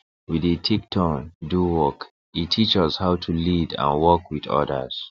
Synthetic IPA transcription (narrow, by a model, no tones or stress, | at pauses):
widitʰiktʰɔnduwɔk | itʰːit͡ʃɔshaʊtʰulidã̰nwɔkwidɔ̰də̰z̥